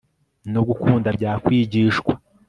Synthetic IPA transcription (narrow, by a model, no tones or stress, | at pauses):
noɡukuːndabɟaːkwiːɟiːʃkwa